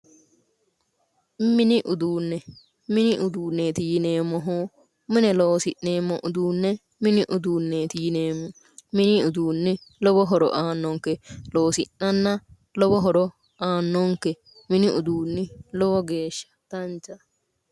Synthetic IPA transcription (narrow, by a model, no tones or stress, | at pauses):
mɪnɪʔʊd̪uːnːɛ | mɪnɪʔʊd̪uːnːet̪ijneːmːɔɦoː | mɪnɛloːsɪʔːe̞ːmːɔʔʊd̪uːnːɛ | mɪnɪʔʊd̪uːnːet̪iːneːmːɔ | mɪnɪʊd̪uːnːɛlɔbɔɦɔɾɔ̰ʔaːnːɔŋkːɛloːsɪnːɐnːɐ | lɔbɔɦɔɾɔ | aːnːɔŋkːɛ | mɪnɪʔʊd̪uːnːɪlɔbɔɡe̞ːʃːɐ̥t̪ɐnt͡ʃːɐ